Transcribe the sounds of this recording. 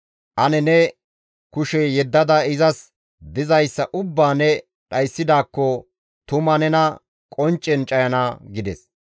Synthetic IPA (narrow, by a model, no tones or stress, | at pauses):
ʔɐnɛnɛ | kʊʃɛjɛd̪ːɐd̪ɐɪzɐs | d̪ɪzɐjsːɐʔʊbːaːnɛ | ɗɐjsːɪd̪aːkːɔ | t̪ʊmɐnɛnɐ | kʼɔnt͡ʃʼːɛnt͡ʃʼɐjɐnɐɡɪd̪ɛs